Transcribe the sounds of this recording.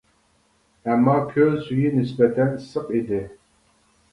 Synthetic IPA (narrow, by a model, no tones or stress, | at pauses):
ɛmːɑːkʲʰøzyjinɪs̬bɛt̪ʰɛnsɨqid̪ɪ